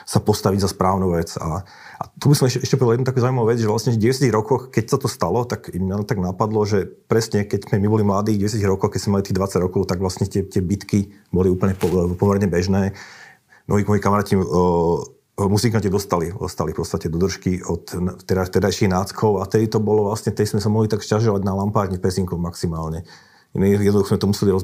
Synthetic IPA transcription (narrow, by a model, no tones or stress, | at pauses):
sapɔst̪aʋiɟzaspɾaːʊnuːʋɛt͡sa̰ | a̰t̪ubisɔmɛʃɛʃcɛpɔd̪aljɛd̪ut̪akuzaːuimaʊʋɛd͡zʒɛʋlasɲɛɟɛʋɛsjaciɣɾɔkɔxkɛcsat̪ɔst̪alɔt̪akmɲat̪aɡnapad̪lɔʒɛpɾɛsɲɛkɛɟzmɛmibɔlimlad̪iːɟɛs̬jaciɣɾɔkɔxkɛczmɛmalit̪iːɣd̪ʋat͡saɟɾɔkɔʊt̪aɡʋlasɲɛt̪ɪɛt̪ɪɛbit̪ki | bɔliuːpl̩ɲɛpɔpɔmɛɾɲɛbɛʒnɛː | mʔɔɦimɔjikamaɾaːci | musiŋkaɲt͡ɕɛd̪ɔst̪alid̪ɔ̰st̪alifpɔt̪t͡sst̪acɛd̪ɔd̪r̩ʃkiɔt̪t̪ɛɾat̪ɛd̪ajʃiɣnaːt͡skʰɔʊaft̪ɛd̪it̪ɔbɔlɔʋlasɲɛft̪ɛd̪ismɛsamɔɦlit̪akʃcaʒɔʋaɟnalampaːʒɲifpɛziŋkɔmaksimaːlɲɛ | mijɛd̪nd̪uxɔzmɛt̪ɔmusɛliɾɔ